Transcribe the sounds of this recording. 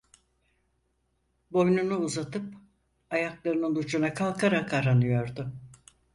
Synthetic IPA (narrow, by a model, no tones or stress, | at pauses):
bo̞jnunuuzat̪ʰɯp̚ | ajaklˠaɾɯnɯnut͡ʃʰunakʰalˠkʰaɾakaɾanɯjo̞ɾd̪ʊ